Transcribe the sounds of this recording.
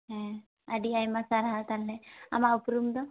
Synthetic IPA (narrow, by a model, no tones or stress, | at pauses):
ɦɛ̃ | aɖiajmasaɾaɦat̪alːea̰maupɾumd̪ɔ